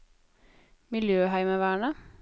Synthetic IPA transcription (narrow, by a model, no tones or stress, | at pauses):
mɪljøːɦæɪməʋæːɳə